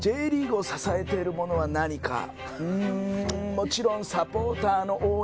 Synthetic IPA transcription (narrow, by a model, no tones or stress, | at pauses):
d͡ʑe̞ːɾʲiːɡɯo̞sasae̞t̪e̞ɾɯ̟mo̞no̞βanaɲ̟ika̰ | ɯ̟̃ | mo̞t͡ɕiɾõ̞ɰ̃sapo̞ːt̪aːno̞ʔoː